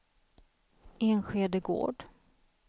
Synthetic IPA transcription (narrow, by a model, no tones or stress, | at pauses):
ʔeːnɧeːd̪əɡo̰ːɖ